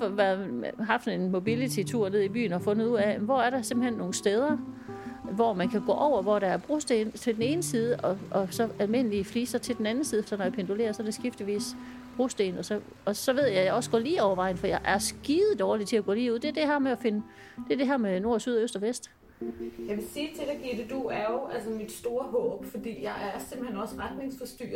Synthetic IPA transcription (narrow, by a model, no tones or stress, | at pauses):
fʋæɐðˠɦɑ̈fd̥e̝nmo̝bilit͡sʰit͡sʰuɐ̰ne̝ð̞ˠib̥y̰ːnɒfɔ̽nð̩ˠuð̰ˠæmnʋɒæɐɾ̥ɑ̈se̝mb̥̩henːo̝ːn̩sd̥eːð̞ˠɐ | ʋɒmænkʰæɡ̥ɔ̰ːʔɒʊ̰ɐʋɒɾ̥ɑ̈æɐb̥ʁusd̥ent͡sʰe̝ld̥ene̝ːnəsiːð̞ˠəʔɒ̽ʔɒ̽sɒ̽ælme̝n̰əlifliːsɑɪt͡sʰe̝ld̥en̩ænn̩sið̩ˠefd̥ɐnɒ̽japʰe̝nd̥ole̝̰ːɐsɒ̽æɐɾe̝sɡ̥ifd̥liʋḭːs | b̥ʁusd̥e̝ːnɒ̽sɒ̽ | ɒ̽sɒ̽ʋe̝ð̞̰ˠjɑ̈ɪjɑ̈ɒ̽sɡ̥ɔ̰̽ːliːɒʊɐʋɑ̈ɪ̰n̩fɒjɑ̈ɪʔæɐsɡ̥iːð̩ˠd̥ɒːlid̥t͡sʰe̝æɡ̥ɔ̰̽ːliːuð̞̰ˠd̥e̝ɐd̥e̝hæɐmeæfe̝nə | d̥e̝ɐd̥e̝ɦæɐ̰meno̝ɐ̰syð̞ˠɒøsd̥ɒ̽ʋesd̥ | jɑ̈ɪʋe̝siːt͡sʰe̝d̥æɡ̥id̥ed̥uæɐjo̝ʔælsɐmid̥sd̥o̝ːɐɦɔ̰̽ːb̥fɒd̥ḭːjɑ̈ɪʔæɐsemb̥̩henɒ̽səʁad̥nɪ̝ŋsfɒsd̥y̰ː